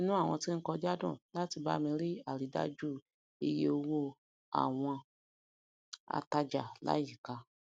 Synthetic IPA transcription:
ĩ˦nũ˦a˦˨w̃ɔ̃˧ti˦ŋ̩˦kɔ˧d͡ʒa˦dɔ̰̃˦˨la˦ti˧ba̰˦mĩ˧ɾi˦a˦˨ɾi˨˦da̰˦d͡ʒu˦ | e˧je˧o˧wo˦ | a̰˦˨w̃ɔ̃˧ | a̰˧ta˧d͡ʒa˨la̰˦ji˦˨ka˧

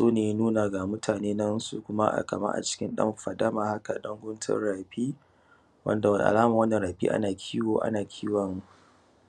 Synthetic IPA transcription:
soː˦neː˨jnuː˦na˨ɡa˨mʊ˦tʰaː˨neː˦nɐ˦nsu˨kʷʊ˦ma˦ʔa̰˨kɐ˨mɐ̰˦ʔa̰˨t͡ʃɪ̥˦kʲɪ˦nɗɐ̰˦mɸɐ˨dɐ˦maː˨ha˦ka˨ɗɐ˦ŋɡʷʊ˦ntʰɐ̰˦rɽaː˨ɸiː˦ | wɐ̰˦nda˨wɐ˨nḭ˨ʔa̰˨laː˦ma˨wɐ˦nːɐ˨nɾaː˨ɸḭː˦ʔa̰˦naː˨kʲʰiː˦woː˨ʔa̰˦naː˨kʲʰiː˦wɐ˨ŋ

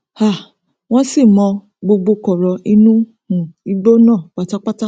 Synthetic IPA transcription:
ha˦˨ | w̃ɔ̃˦si˦˨mɔ̃˧ | ɡ͡bo˧ɡ͡bo˧kɔ˨ɾɔ˨ʔi˦nũ˦ | hũ˨i˦ɡ͡bo˦nãː˦˨k͡pa˨˧ta˦k͡pa˦ta˦

